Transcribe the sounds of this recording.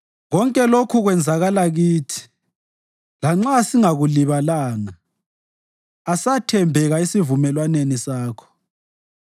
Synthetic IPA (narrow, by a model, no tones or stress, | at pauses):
ɣɔŋkʼɛlokʰuɣwɛnd͡zʱaɣalaɣiːtʰi̥ | laŋ͡ǁasiŋaɣuliβalaːŋa | asatʰɛmbʱɛɣaisivumɛlwanenisaːkʰɔ̥